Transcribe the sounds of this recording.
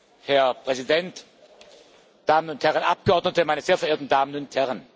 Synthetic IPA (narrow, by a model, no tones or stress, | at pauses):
hɛɐpʁ̥ɛzidɛnt | d̥aːmənʊnthɛʁənʔap̚ɡ̥əɔɐdnətəmaɪnɐzeːɐfɛɐeːtn̩daːmənʊnthɛʁən